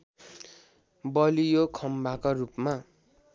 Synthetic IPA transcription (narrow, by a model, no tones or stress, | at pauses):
bʌlijokʰʌmbakarupma